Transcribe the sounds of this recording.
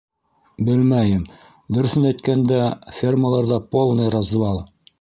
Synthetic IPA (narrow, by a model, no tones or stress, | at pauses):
bɘlmæjɘm | d̪ɵ̆ɾɵ̆θɘnæjt̪kænd̪æfʲerməlˠɑɾðɑpolˠnɤrɑzvɑlˠ